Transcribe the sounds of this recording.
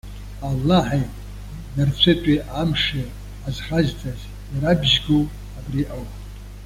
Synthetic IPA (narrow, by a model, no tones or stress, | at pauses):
alːaħajtʼ | nart͡ɕʷʰɨtʷʼiʔamʂi | azχazt͡sʼaz | jaɾabʒɡo | abriʔaw